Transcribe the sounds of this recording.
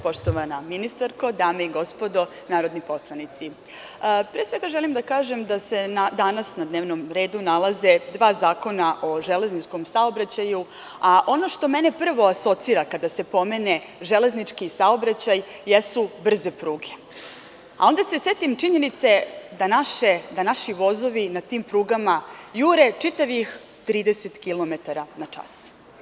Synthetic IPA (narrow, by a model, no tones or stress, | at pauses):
po̞ʃt̪oʋanaminist̪aɾko̞d̪aːmeiɡo̞spo̞d̪o̞ | naːɾo̞d̪nipo̞slˠanit̪si | pɾeːsʋe̞ɡaʒelimd̪akaːʒemd̪ase̞nad̪anasnad̪neːʋnomɾe̞ːd̪unalˠaze̞d̪ʋaːzaːko̞naʔo̞ʒeleznit͡ʃko̞msaobɾat͡ɕaju | aʔo̞no̞ʃt̪o̞mene̞pr̩ʋo̞aso̞t̪siːɾakad̪ase̞po̞me̞ne̞ | ʒele̞znit͡ʂkisao̞bɾat͡ɕajːesubr̩ze̞pɾuːɡe | a̰o̞nd̪aseset̪imt͡ʂiɲe̞nit̪se̞d̪anaʃed̪anaʃiʋo̞zo̞ʋinat̪iːmpɾuːɡamajuːɾe̞t͡ʂit̪aʋix | t̪ɾiːd̪eset̪kilˠo̞met̪aɾanat͡ʂa̰s